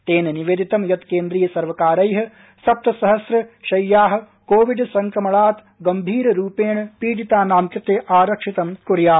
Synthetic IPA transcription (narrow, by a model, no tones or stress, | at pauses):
t̪eːnɐniʋeːd̪ʱit̪ɐmjɐt̪keːnd̪ɾijɐsɐɾʋɐkaːɾɐjɦɐ̆ | sɐp̚t̪ɐsɐɦɐsɾɐʃɐjːaːɦɐ̆ | koːʋiɖsɐŋkɾɐmɐɭaːt̪ | ɡɐmbʱiːɾɐɾuːpeːɳɐpiːɖ̪it̪aːnaːmkɾɐt̪eːʔaːɾɐkʂit̪ɐmkuɾjaː